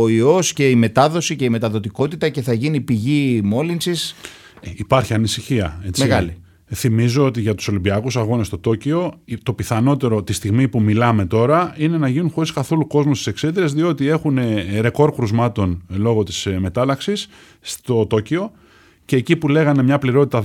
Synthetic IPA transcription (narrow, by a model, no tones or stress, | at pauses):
oio̞sce̞ime̞t̪ɐðo̞sice̞ime̞t̪ɐðo̞t̪iko̞t̪it̪ɐce̞θɐʝinipiʝimo̞linsis | ipɐɾçiɐnisiçiɐ̰e̞t͡seiɣɐli | θimizo̞ot̪iʝɐt̪u̥so̞limbiɐkusɐɣo̞nest̪o̞t̪o̞cio̞t̪o̞piθɐno̞t̪e̞ɾo̞t̪ist̪iɣmipumilɐme̞t̪o̞ɾɐine̞nɐʝinuxo̞ɾiskɐθo̞luko̞zmust̪i̥se̞kse̞ðiɾezðio̞t̪ie̞xune̞ɾe̞ko̞ɾkɾuzmɐt̪o̞nlo̞ɣo̞t̪i̥sme̞t̪ɐlɐksisː | t̪o̞t̪o̞cio̞ | ceːcipule̞ɣɐne̞mɲɐpliɾo̞t̪it̪ɐ